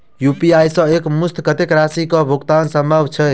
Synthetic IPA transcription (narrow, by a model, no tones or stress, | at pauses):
jupiajsə̃ekmust̪ʰkət̪ekɾasikɔbʱuɡt̪ansəmbʱabt͡ʃʰɛ